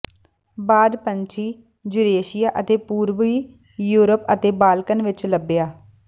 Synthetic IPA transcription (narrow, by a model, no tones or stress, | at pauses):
baːd̪pənt͡ʃʰiː | d͡ʒʊɾeːʃɪjaːʔət̪eːpuːɾʋiː | juːɾəpət̪eːbaːlkənʋɪt͡ʃləbːɪjaː